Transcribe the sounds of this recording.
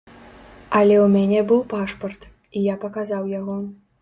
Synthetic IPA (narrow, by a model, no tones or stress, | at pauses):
ɐlʲɛumʲanʲɛbɨwpaʂpɐrt̪ | ijapɐkazawjaɣɔ